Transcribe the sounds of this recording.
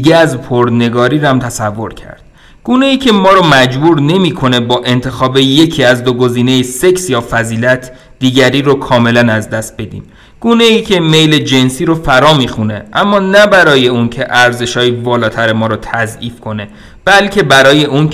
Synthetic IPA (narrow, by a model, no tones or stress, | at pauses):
ɡeæzpʰoɾd̪ne̞ɡɒːɾiːɾæmt̪ʰæsævːo̞ɾcʰæ̰ɾd̥̪ | ɡ̥uːne̞iːcʰe̞mɒːɾɔːmæd͡ʒbuːɾne̞miːkʰo̞ne̞bɒːʔe̞nt̪ʰe̞xɒːbeje̞cʰiːæzd̪oɡo̞ziːnejese̞ksjɒːfæziːlæt̪ʰ | d̪̥iːɟæɾiːɾokʰɒːme̞lænæzd̪æst̪̚be̞d̪ḭːm | ɡ̥uːne̞iːcʰe̞me̞jle̞d͡ʒe̞nsiːɾofæɾɒːmiːxune̞ʔæmːɒːnæbæɾɒːje̞uncʰe̞ʔæɾze̞ʃɒːjivɒːlɒːt̪ʰæɾemɒːɾɔːt̪ʰæziːfkʰo̞ne̞ | b̥ælcʰe̞bæɾɒːje̞ʔun